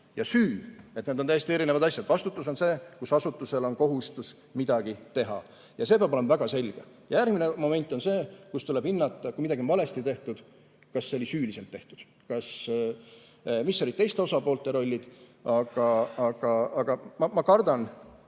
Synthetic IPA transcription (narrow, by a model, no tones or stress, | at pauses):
jɑsyːe̞t̪ned̪ot̪æjest̪ie̞ɾinevɑd̪ɑsʲjɑd̪vɑst̪ut̪ːˑuso̞nse̞ːkusɑsut̪ːˑuse̞lo̞nko̞ɦust̪us | mid̪̥ɑɡ̥it̪e̞ɦɑ̰ | jɑse̞peɑbole̞mvæɡ̥ɑse̞lʲɡ̥e | jɑjæɾrɡmine̞mo̞me̞nʲt̪ːˑo̞nse̞ːkust̪ule̞b̥hinːɑt̪ˑːɑkuimid̪ɑɡionvɑle̞st̪it̪e̞ht̪ud̪̥ | kɑsːeo̞lisyːlise̞lt̪ːe̞ht̪ud̪̥ | kɑs | misːo̞lid̪̥̚t̪e̞jst̪e̞o̞sɑpo̞ːlt̪ːˑe̞ɾo̞lʲːid̪̥ʔɑɡ̥ɑɑɡ̥ɑɑɡ̥ɑmɑmɑkɑrd̪̥ɑn